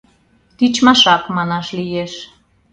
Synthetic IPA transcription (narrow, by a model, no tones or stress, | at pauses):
t̪it͡ɕmɑʃɑkmɑnɑʃlijeʃ